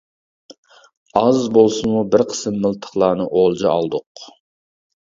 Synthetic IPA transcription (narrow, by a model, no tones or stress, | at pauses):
ɑzbolˠsɨnmubɪɾqʰə̥sɨmːəlˠt̪ʰə̥χlˠɑːnɨʔolˠd͡ʒɑɑlˠd̪ʊq